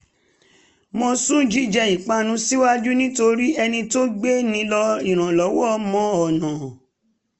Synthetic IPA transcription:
mõ˧sũ˦˨d͡ʒi˦˨d͡ʒɛ˧i˨k͡pa˦nũ˨˦si˦wa˦d͡ʒu˦nĩ˦to˧ɾi˦ɛ˧nĩ˧to˦ɡ͡be˦nĩ˧˦lɔ˧i˨ɾ̃ã˨lɔ˨˦wɔ˦˧mɔ̃˧˦ɔ˨nã˨

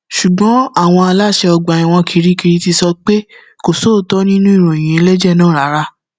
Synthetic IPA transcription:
ʃu˨ɡ͡bɔ̃˨˦a˦˨w̃ɔ̃˧a˧la˦˨ʃɛ˧ɔ˧ɡ͡ba˨ĩ˨w̃ɔ̃˧kʰi˨˧ɾi˦ki˧ɾi˧ti˧sɔ˧k͡pe˦ | ko˨so˨˦˨tɔ˦nĩ˦nũ˦i˦˨ɾ̃õ˨j̃ĩ˨e˧lɛ˦d͡ʒɛ˦˨nãː˦˨ɾa˨˦ɾa˧˦

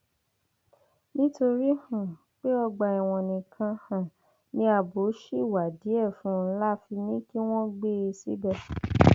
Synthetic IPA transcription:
nĩ˦to˧ɾi˦hũ˦˨ | k͡pe˦ɔ˧ɡ͡ba˧˨ɛ˨w̃ɔ̃˨nĩ˨kʰã˧hã˨ | nĩ˧˦a˨bo˨˦ʃi˦˨wa˨di˨˦ɛ˦˨fũ˨˦n̩˦la˦fi˧nĩ˦ki˦w̃ɔ̃˦ɡ͡be˦e˧sḭ˦bɛ˧

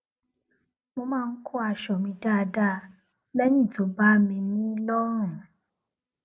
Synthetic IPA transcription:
mo˧mãː˦˧n̩˦kʰo˦a˧ʃɔ˨mĩ˧da˦˨˧da˦˨ | lɛ˦nĩ˦˨to˨˦ba˦mĩ˧nĩ˦lɔ˦ɾ̃ũ˦˨

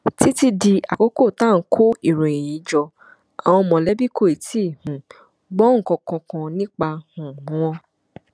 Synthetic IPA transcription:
ti˦ti˧di˧a̰˨ko˦ko˦˨tã˦˨˦kʰo˦i˨ɾẽ˨e˨ĩ˨˦d͡ʒɔ˧ | a˨w̃ɔ̃˧mɔ̃˨lɛ˨˦bi˦kʰo˦˨i˨ti˦˨hũ˨˦ | ɡ͡bɔ˦ŋ̩˦˨kɔ̃˧kɔ̃˧kɔ̃˧nĩ˦k͡pa˧hũ˨ũ˦w̃ɔ̃˧˦

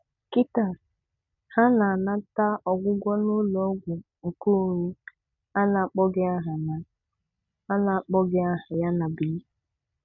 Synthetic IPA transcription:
ki˦ta˦˨ | ha˦na˨a˨na˦ta˦ɔ˨ɡʷʊ˦ɡʷɔ˦no˦lɔ˨˦ɡʷʊ˨ | ŋ̩˨ku˦ɲu˦ | a˦na˨a˨k͡pɔ˦ɡɪ˦a˦ɦa˨na˨ | a˦na˨k͡pɔ˦ɡɪ˦a˦ɦa˨ja˦na˨bi˨˦

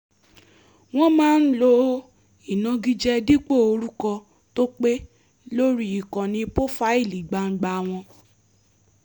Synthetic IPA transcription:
w̃ɔ̃˦mãː˦n̩˦lo˧ | i˦˨nã˨˧ɡi˦d͡ʒɛ˦di˦k͡po˦˨o˧ɾu˦kɔ˧ | to˦k͡pe˦ | lo˦ɾi˦i˨kɔ̃˨nĩ˧po˦fa˦i˦˨li˨ɡ͡ba˧˨ŋ̩˦ɡ͡ba˧˨w̃ɔ̃˧

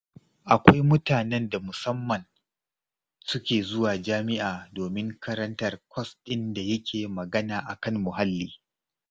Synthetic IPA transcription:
ʔa˨kʷa˦jmʊ˦taː˨nɛ˦nda˨mʊ˨sɐ˦mːɐ˨n | sʊ˦kʲeː˨zʊ˦waː˨d͡ʒaː˦mɪ˦ʔaː˨doː˨mɪ˦ŋkɐ˦ɾɐ˦ntɐ˦rkʷɔ˦stʼɪ˦nda˨jɐ˦kʲʰeː˨mɐ˨ɡɐ˦naː˨ʔa˨kɐ˦ŋːʊ˨ɦa˦lːiː˦

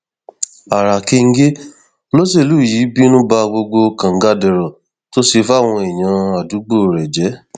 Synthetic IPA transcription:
a˨ɾa˨ke˧ŋ̩˦ɡe˦ | lo˦s̬e˦˨lu˨˦˨ji˨˦bi˦nũ˦ba˧ɡ͡bo˧ɡ͡bo˧kã˨ŋ̩˦ɡa˧˦dɛ˨ɾɔ˨ | to˦si˧fa˦˨w̃ɔ̃˧i˨j̃ã˨˧a˨du˨˦ɡ͡bo˦˨ɾɛ˨d͡ʒɛ˨˦

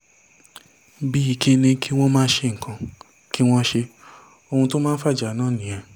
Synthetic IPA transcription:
bi˦i˧ke˧˦nĩ˧kʰi˦w̃ɔ̃˦mãː˦n̩˦ʃe˧ŋ̩˨kʰã˧ | ki˦w̃ɔ̃˦ʃe˧ | o˧hũ˧to˦mãː˦n̩˦fa˦˨d͡ʒa˨nãː˦˨nĩ˨ã˨

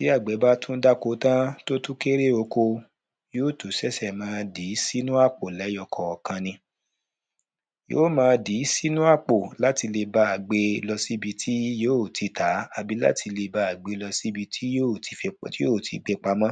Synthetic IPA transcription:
si˨˦a˦˨ɡ͡bɛ˨˦ba˦tũ˦da˦ko˧˦tã˦to˦tũ˦ke˦ɾe˦o˧ko˧ | joː˦˨tu˨sɛ˦sɛ˦˨mãː˨˦˧di˨˦si˦nũ˦a˦˨k͡po˨lɛ˨˦jɔ˧kʰɔ˨ɔ˨kã˧nĩ˧ | jo̰ː˦mãː˧di˨˦si˦nũ˦a˦˨k͡po˨la˨˦ti˧le˧ba˦a˨ɡ͡be˧lɔ˧si˦bi˧tʰi˦joː˦˨tʰi˧˦tʰa˨˦a˧bi˦la̰˦tʰi˧le˧ba˦a˨ɡ͡be˧lɔ˧si˦bi˧tʰi˦o˦ti˧fi˦o˦˨tʰi˨˧ɡ͡be˧k͡pa˧mã˦

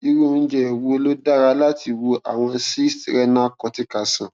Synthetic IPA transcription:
i˧ɾu˦˨n̩˦d͡ʒɛ˦˨wo˧˦lo˦da˦˨ɾa˧˦la˦ti˧wo˧ʔa˨w̃ɔ̃˧si˦stɾɛ˦nã˦kɔ˧˦ti˦ka˨sã˨

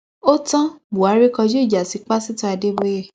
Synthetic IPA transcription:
o˦tã˦bu˨a˨˦ɾi˦kɔ˧d͡ʒo˦i˦˨d͡ʒa˨si˨˦k͡pa˦si˦tɔ̃˧˦ɛ˧de˦be˦e˦˨

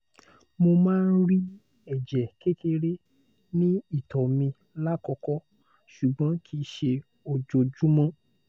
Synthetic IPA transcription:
mo˧mãː˦˧n̩˦ɾi˦ | ɛ˦˨d͡ʒɛ˨ke˦te˧ɾe˦ | nĩ˦i˦˨tɔ˨mĩ˧ | la˦kɔ˧kɔ˦ | ʃu˨ɡ͡bɔ̃˨˦kʰi˧ʃe˧ | o˨d͡ʒo˨d͡ʒũ˦mɔ̃˦

